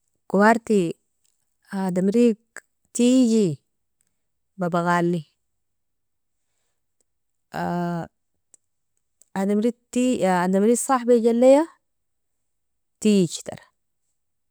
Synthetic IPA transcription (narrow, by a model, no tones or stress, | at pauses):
kuwaɾt̪i | ad̪amɾik | t̪id͡ʒi | babaɣalːi | a | adamɾitiad̪amɾiːksˤɑħbaɟalːeja | t̪it͡ʃt̪a̰ɾ